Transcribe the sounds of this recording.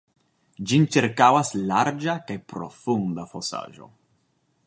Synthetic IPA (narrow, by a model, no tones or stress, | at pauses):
d͡ʒint͡ʃiɾkawaslaɾd͡ʒakajpɾo̞̰fund̪afosa̰ʒo̞̰